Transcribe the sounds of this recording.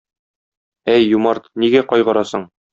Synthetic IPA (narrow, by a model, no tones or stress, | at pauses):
æjːumɑɾt̪niɡæqɒjʁɤ̆ɾɑsɤɴ